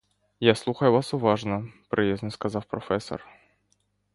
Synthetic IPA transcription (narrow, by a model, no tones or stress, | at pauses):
jaslˠuxəjʊvasʊvaʐnəpɾʔɨjʲeznəskɐzɑfpɾɐfɛsːə̰r